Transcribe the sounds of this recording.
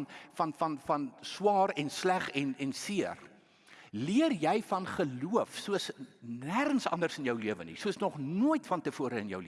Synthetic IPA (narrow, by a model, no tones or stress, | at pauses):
nfɐnfɐnfɐnswɑːɾɛnslæχɛnɛnsiər | liərjɛjfɐnχəluəfsuəsnæχənsɐ̰ndərsənjœwliəvənḭsuəsnɔχnuəjtfɐntəfuəɾəənjə̰wli